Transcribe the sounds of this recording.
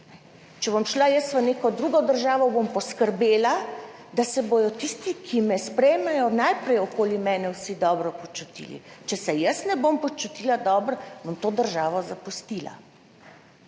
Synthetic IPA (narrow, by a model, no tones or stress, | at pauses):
nɛ | t͡ʃɛbɔmʃlajəsʋəneːkɔd̪ɾuɡɔd̪əɾʒaːʋɔbompɔskəɾbeːla | d̪asɛboj̪ɔt̪ist̪ikʰimɛspɾɛjmɛjɔnajpɾɛjɔkoːlimɛːnɛwsid̪ɔːbɾɔpɔt͡ʃut̪ḭlḭt͡ʃɛsɛjəsnɛbompɔt͡ʃut̪ilad̪ɔbɾɔbɔmt̪oːd̪əɾʒaːʋɔzapust̪ila̰